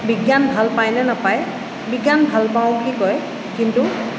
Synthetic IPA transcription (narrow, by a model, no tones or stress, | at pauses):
biɡjanbʱalpajnɛnapaj | biɡjanbʱalpaw̃bulikɔj | kintu